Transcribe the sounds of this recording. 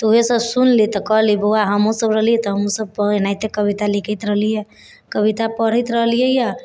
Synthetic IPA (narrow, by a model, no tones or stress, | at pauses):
t̪uɦesəbsunlit̪ɔkɔɦliboaɦəmosəbɾəɦlijɛt̪ɔɦəmosəb̚pənajt̪ekəbit̪alikʰət̪ɾəɦlije | kəbit̪apəɽ̤ət̪ɾəɦlijəjɛ